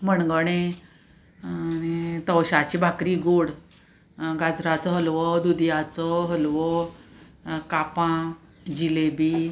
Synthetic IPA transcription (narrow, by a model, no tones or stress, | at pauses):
məɳɡɽ̃e | nit̪əwɕat͡ɕibʱakɾiːɡoɽ | ɡad͡zɾat͡sɔɦəlʋɔd̪ud̪jat͡sɔɦəlʋɔ | kapã | d͡ʑilebi